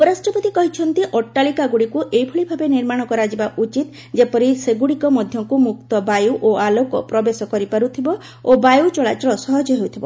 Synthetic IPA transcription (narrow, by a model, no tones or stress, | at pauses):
ɔbɔɾasʈɔpɔt̪ikɔɦit͡ʃʰɔnt̪iʔɔʈːalikaɡuɽikuʔejpʰuɭibʱabeniɾmaɽ̃ɔkɔɾad͡ʒibaʔut͡ʃit̪ | d͡ʒepɔɾiseɡuɽikɔmɔd̪ʱjɔŋkumuk̚t̪ɔbajuʔoalokɔ̰pɾɔbesɔkɔɾipaɾut̪ʰibɔ | obajut͡ʃɔɭat͡ʃɔɾɔsɔɦɔd͡ʒɔɦeut̪ʰibɔ̰